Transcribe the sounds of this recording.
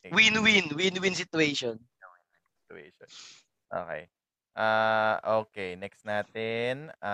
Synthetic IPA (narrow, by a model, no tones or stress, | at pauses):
winwinwinwins̬ɪt̪ʊejʃon | o | sɪ̥t̪ʊḛʃɔ | ʔo̰kɛ̰j | ʔaʔoːkejnɛkst̪naːt̪ɛna